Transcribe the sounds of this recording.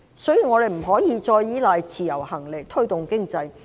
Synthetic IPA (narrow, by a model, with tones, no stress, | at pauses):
sɵ˨˥jyː˨ŋɔː˨˧t̪e˨jm̩˨˩ɦɔː˨˥jiː˨˧t͡sɔː˧jːiː˨˥laː˨jt͡sʰiː˨˩jɐ˨˩whɐ˨˩ŋlɪ˨k̚t̪ʰɵ˥ɥt̪ʊ˨ŋkɪ˥ŋt͡sɐ˧j